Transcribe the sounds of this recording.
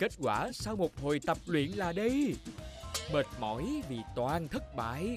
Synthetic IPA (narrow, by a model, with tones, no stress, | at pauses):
ke˦˥t̚kwaː˧˩saː˧wmo˨˩t̚ho˨˩jt̪ə˨˩p̚lwḭ˧˨ənlaː˨˩ɗə˧j | məː˨˩t̚mɔ̰˧˦jvi˨˩t̪waː˨˩nt̪ʰə˦˥t̚ɓa̰ː˧˨j